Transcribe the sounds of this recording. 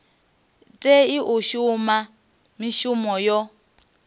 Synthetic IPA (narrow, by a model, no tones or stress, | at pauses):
tʼeiʔuʃuma | miʃumɔjɔ